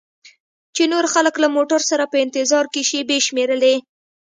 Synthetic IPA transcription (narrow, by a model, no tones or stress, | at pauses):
t͡ʃenoɾxaləklamoʈaɾsaɾapəɪnt̪ɪzɑɾkeʃebeʃmeɾəle